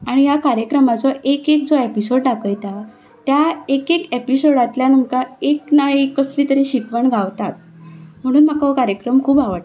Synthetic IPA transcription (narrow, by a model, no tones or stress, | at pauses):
aɽ̃ijakaɾjəkɾəmat͡sɔʔekek̚d͡zoepisoɽʈakəjt̪a | t̪jaekekepisoɽat̪ljanumkaeknaɦikəsliːt̪əɾĩɕikʋəɳɡʱaʋt̪at̪̚ | m̤əɽ̃uːnm̤akakaɾjəkɾəmkʰuːbaʋəʈ̪